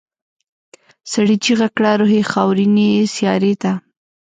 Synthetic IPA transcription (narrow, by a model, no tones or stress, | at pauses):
saɽit͡ʃiɣakɽaɾoɦexɑwɾinesjɑɾet̪a